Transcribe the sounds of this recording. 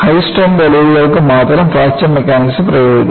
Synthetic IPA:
hɐjsʈoːmd̪ɐliʋiɣɐɭkɨmaːt̪ɐɾɐmfaːt͡ɕɐmmːekʲːaːnisɨprɐjoːɡ

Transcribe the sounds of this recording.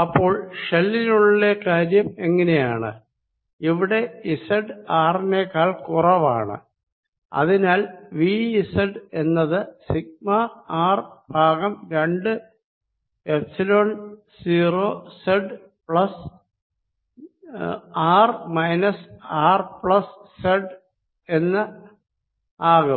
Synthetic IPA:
ɐpːo̞ːɭʂelːiluɭːekaːɾjɐme̞ŋːɐne̞jaːɳɨ̰ | iʋiɽe̞isɐɖɨaːrinekaːɭkurɐʋa̰ːɳɨ̰ | ɐ̰ðinaːlʋiisɐɖe̞nːɐðɨsiɡ̚maaːrbʱaːɡɐmɾe̞ɳɖɨ | efsiloːɳ | siːroːseɖ | pɭɐs | aːrmɐjnɐsaːrpɭɐsseɖ | e̞nːɐ | aːɣum

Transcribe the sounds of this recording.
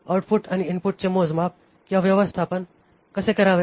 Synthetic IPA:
awʈpʰuʈaniɪnpʊʈ̚t͡ɕemoːd͡zmap̚ | kjaʋjɐʋəst̪ʰapən | kəsekɐɾaːʋe

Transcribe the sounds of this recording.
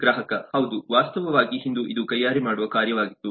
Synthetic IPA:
ɡɾaːɦɐkɐhɐʋd̪uʋaːst̪ɐʋɐʋaːɡiɦind̪uʔid̪ukɐjaːɾimaːɽuʋɐkaːɾjɐʋaːɡit̪ːu

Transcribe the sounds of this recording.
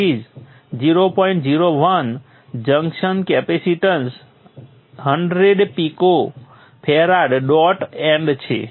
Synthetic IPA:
id͡ʒ | d͡ʒiɾopɔĩɳʈd͡ʒiɾoʋən | d͡ʒəŋkʃənkɛpesiʈəns | ɦəɳɖɾeɖpiko | pʰɛɾaɖɖɔʈɛ̃ɳɖt͡ʃʰḛ

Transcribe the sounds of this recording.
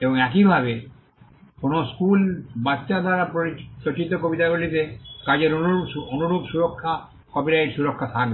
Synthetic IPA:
eboŋɛk̬ibʱabe | konoskulbatːʃad̪ʱaɾapopɾot͡ʃit̪okobit̪aɡolit̪ekad͡ʑeɾononuɾubsuɾokʰːa | kɔbilaiɾsuɾokʰːat̪ʰak̚be

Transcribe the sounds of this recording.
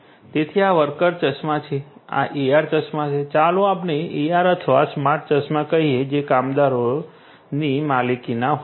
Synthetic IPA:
t̪et̪ʰiaʋəɾkəɾt͡ʃət͡ʃmãt͡ʃʰea̰ʔiaɾt͡ʃət͡ʃmãt͡ʃʰet͡ʃalũapneiaɾət̪ʰʋasmaʈ̚ʰt͡ʃəsmãkəɦied͡ʒekamd̪aɾo | nimalikinaɦ

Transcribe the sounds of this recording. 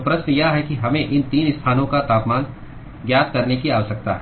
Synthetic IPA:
pɾɐsnəjaɦɛkiɦɐmẽʔɪnt̪iːnɪst̪ʰaːnõkat̪aːpmãːn | ɡjaːt̪̚kɐɾnekiaːʋəʃɐk̚t̪a̰ɦɛ

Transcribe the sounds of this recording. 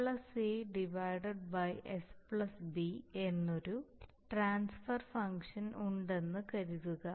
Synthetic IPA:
pɭɐseɖiʋɐjɖɐɖ̚bɐjʔespɭɐsbie̞nːo̞ɾu | ʈraːnsfɐrfɐŋkʂɐnuɳɖe̞nːɨkɐɾuðuɣɐ

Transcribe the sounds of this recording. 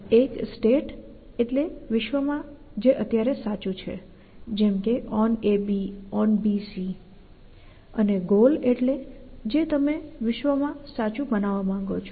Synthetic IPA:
eksʈeʈ | eʈleʋɪʃʋəmãd͡ʒeʔət̪jaɾesat͡ʃũt͡ʃʰḛ | d͡ʒɛmkeʔɔnebiɔnbisi | əneɡoleʈled͡ʒet̪əmeʋɪʃʋəmãsat͡ʃũbənaʋamãŋɡot͡ʃʰo

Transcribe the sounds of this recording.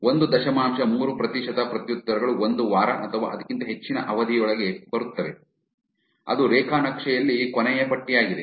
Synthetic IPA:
ond̪ud̪ɐʃɐmaːmʃɐmuːɾupɾɐt̪iʃɐd̪ɐpɾɐt̪jut̪ːɐɾɐɡɐɭuond̪uʋaːɾɐ̰ʔɐt̪ʰɐʋa̰ːʔɐd̪ɐkːint̪ɐɦe̞t͡ʃːinɐ̰ʔɐʋɐd̪ʱijɔɭɐɡe̞bɐɾut̪ːɐʋe̞ | ɐ̰d̪uɾɛːkʰaːnɐkʂɛjɐlːikɔnɛjɐpɐʈːijaːɡid̪e

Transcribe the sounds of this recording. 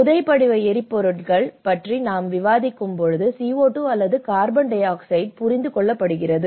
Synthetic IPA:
ʊðɐɪpːɐɽɪʋɐɪɛɾɪpːɔɾɯʈkɐɭpɐʈrinaːmʋɪʋaːðɪkːɯmpɔɻɯðɯsiːoːʈːuɐlːɐðɯkaːɾbɐɳɖɐɪaːksɐɪɖ̚pʊrɪnd̪ɯkɔɭːɐpːɐɽɯɣɪrɐðɯ

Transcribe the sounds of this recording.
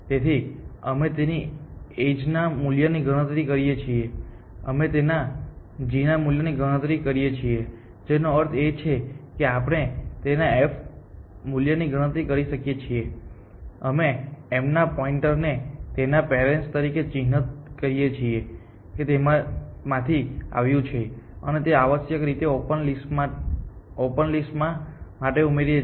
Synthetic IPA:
t̪et̪ʰiəmet̪enied͡ʒnamuljəniɡəɽ̃ət̪ɾikəɾijet͡ʃʰie | əmet̪ena | d͡ʒinamuljəniɡəɽ̃ət̪ɾikəɾijet͡ʃʰie | d͡ʒenoəɾt̪ʰet͡ʃʰekeapəɽ̃et̪enaefʰ | muljəniɡəɽ̃ət̪ɾikəɾiʃəkjet͡ʃʰie | əmeemnapɔiɳʈəɾnet̪enapeɾenst̪əɾiket͡ʃiɦnət̪̚kəɾijet͡ʃʰie | ket̪emamãt̪ʰia̰ʋjũt͡ʃʰeənet̪eaʋəsjəkɾit̪eopənlisma | opənlisʈmãmaʈeumeɾie

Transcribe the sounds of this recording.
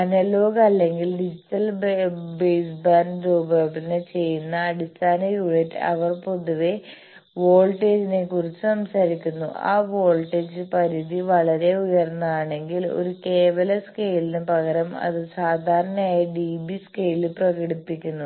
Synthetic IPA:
ɐnɐlo̞ːɡɐɐlːe̞ŋɡilɖid͡ʑitːɐlbejsbaːnɖɾuːbɐbinet͡ɕe̞jːunːɐːɽist̪ʰaːnɐjuɻetːɐ̰ʋɐrpo̞ðuʋe | ʋo̞ːɭʈeːd͡ʑine̞kurit͡ɕːɨsɐmsaɾikʲːunːṵʔa̰ːʋo̞ːlʈeːd͡ʑɨpɐɾiðiʋɐɭɐɾe̞ujɐrnːɐaːɳe̞ŋɡilo̞̰ɾuke̞ːʋɐlɐskejlinɨpɐɣɐɾɐmɐ̰ðɨsaːd̪ʱaːɾɐɳɐmaːjɐɖiːbiske̞jlilprɐɣɐɽipːikʲːunːu

